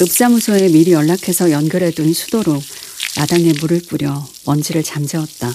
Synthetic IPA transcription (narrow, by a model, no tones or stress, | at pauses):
ɯp̚s͈amusʰoe̞miɾiʌɭːakʰe̞sʰʌjʌnɡjʌɾe̞dunsʰu̥doɾonadaŋe̞muɾɯɭp͈uɾjʌwʌnd͡ʑiɾɯɭt͡ɕamd͡ʑʌʌt̚t͈a